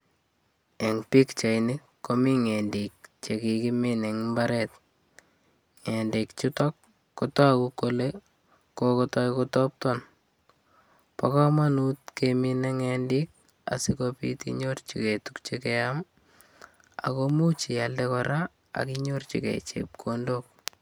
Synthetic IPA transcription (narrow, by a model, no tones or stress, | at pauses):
eŋpikt͡ʃajnɪ | kːomiŋendik̚t͡ʃekikimineŋmbaɾɛt̚ | ŋendikt͡ʃutɔkː | otɔakukole | kokɔtɔjkotɔp̚tɔn | pakɔmanutkemineŋɛndik̚ | a̰sikopḭtḭɲort͡ʃḭketukt͡ʃekeam | a̰komut͡ʃijaldekɔɾa | a̰kiɲort͡ʃḭkɛ̰t͡ʃḛp̚kʰondok̚